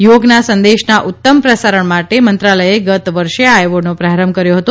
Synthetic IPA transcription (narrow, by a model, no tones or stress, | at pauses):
joɡnasənd̪eʃnaʔut̪ːəmpɾəsaɾəɳmaʈemənt̪ɾaləjeɡət̪ʋəɾʃeajʋonopɾaɾəmkəɾjoɦət̪o